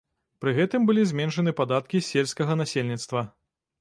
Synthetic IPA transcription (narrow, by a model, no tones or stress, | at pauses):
pɾɨɣɛt̪ɨmbɨlʲizʲmʲɛnʂɐnɨpad̪at̪̚kʲisʲelʲsʲkɐɣɐnasʲelʲnʲit̪st̪vɐ